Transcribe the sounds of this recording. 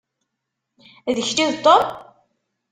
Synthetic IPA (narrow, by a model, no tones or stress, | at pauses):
ðəçliðt̪ˤːop